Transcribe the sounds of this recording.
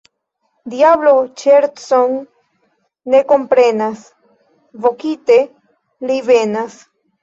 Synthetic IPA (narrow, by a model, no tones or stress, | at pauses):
d̪iablot͡ʃeɾson | e̞ko̞mpɾenas | vokit̪e̞ | live̞nas